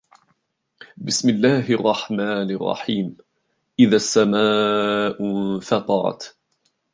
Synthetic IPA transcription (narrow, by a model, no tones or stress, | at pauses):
bɪsmɪlːaːɦɑrˤːɑħmaːnɪrˤːɑ̰ħiːm | ʔɪðasːamaːʔfɑt̪ˤɑɾˤɑ̰t̪